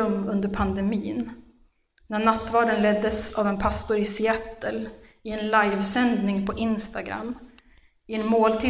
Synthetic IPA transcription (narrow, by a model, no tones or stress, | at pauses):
ɵmːɵnd̪əɾpʰand̪ɛmiːn | næɳat̪ːvɑːɖənlɛd̪ːəsavɛnpʰast̪ʊɾɪsɪɛt̪ːəl | ɪɛnlajvsɛnd̪nɪŋpʰɔʔɪnst̪aɡɾa̰mː | ɪɛnmoːlt̪ʰɪ